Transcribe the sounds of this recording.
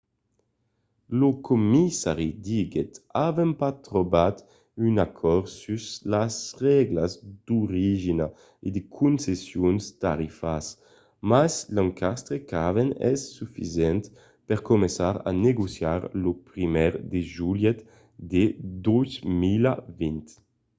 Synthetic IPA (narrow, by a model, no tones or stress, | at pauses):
lokʰomisaʁid̪iɡɛt̪avɛmpat̪ɾɔbat̪ | ynakʰɔɾsyzlasʁɛɡlazd̪uɾiʒina | ed̪ekʰunsesjunst̪a̰ɾifas | maslaŋkʰast̪ɾekavenɛ̰sːyfizjɛnt̪ | pɛʁkomɛnsaɾa̰neɡusjaɾlopɾimɛʁd̪eʒuljɛt̪ | d̪ed̪uzmilavint̪